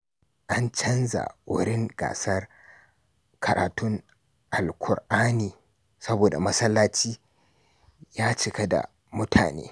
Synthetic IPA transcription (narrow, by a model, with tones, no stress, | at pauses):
ʔa˦nt͡ʃɐ˦nza̰˨wʔʊ˦ɾɪ˦ŋɡ̥a̰ː˨sɐ˦r | kʰɐ˨ɾa̰ː˨tʊ˦ŋ | ʔa˨lkʷʰʊ˨ɾʔaː˦niː˨ | sɐ˦boː˨da˨mɐ˦sɐ˦lːaː˦t͡ʃiː˦ | jaː˦t͡ʃɪ˨kɐ˦da̰˨ | mʊ˦tʰa̰ː˨nḛː˦